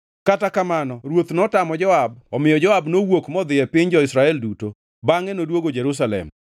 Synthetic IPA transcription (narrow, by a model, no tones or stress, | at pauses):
katakamanɔɾwot̪nɔtamɔd͡ʒɔab̚ɔmɪjɔd͡ʒɔabnowokmɔd̪ɪjɛpɪɲd͡ʒɔɪsɾaɛlduto | baŋɛnodwoɡod͡ʒɛɾus̬alɛ̰m